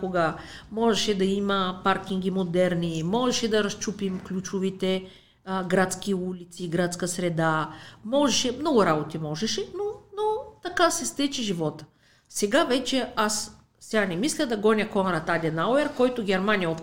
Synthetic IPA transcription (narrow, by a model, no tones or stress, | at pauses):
koɡə | mɔʒɛʃɛd̪ɐimɐpaɾkʲiŋɡʲimod̪ɛɾnimɔʒɛʃɛd̪ɐɾɐst͡ʃupimklʲut͡ʃovit̪ɛ | ɡɾat̪skʲiulʲit̪siɡɾat̪skəsɾɛd̪amɔʒɛʃɛmnɔɡʊɾabot̪imɔʒɛʃɛnonot̪ɐkasɛst̪ɛt͡ʃiʒivɔt̪ə̥ | sɛɡavɛt͡ʃɛas | sɛanɛmislʲəd̪ɐɡɔnʲəkɔnɾɐt̪ad̪ʲɛnaoɛɾkɔjt̪ʊɡʲɛɾmanijɐop̪